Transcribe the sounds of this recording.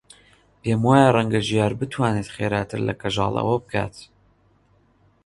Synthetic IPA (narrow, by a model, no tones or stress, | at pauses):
peːmwaːjarˤɛŋɡaʒijaːɾbɨt̪ʰwaːneːt̪χeːɾaːt̪ʰɨɾlɐ̰kʰɐʒɑ̰ːlˠɐ̰wɐbɨkʰa̰ːt̪